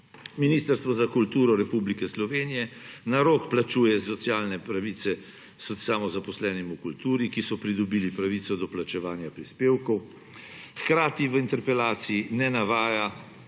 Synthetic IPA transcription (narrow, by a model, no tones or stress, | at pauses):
miniːst̪əɾst̪ʋɔzakult̪uːɾɔɾɛpublikɛslɔʋeːnijɛnaɾoːkplat͡ʃuːjɛsɔt̪sjaːlnɛpɾaʋiːt̪sɛ | sɔsamɔzapɔslɛːnɛmukult̪uːɾikisɔpɾid̪ɔbiːlipɾaʋit̪sɔd̪ɔplat͡ʃɛʋaːnjapɾispeːwkɔw | xkɾaːt̪iʋəint̪ɛɾpɛlaːt̪siːnɛnaʋaːja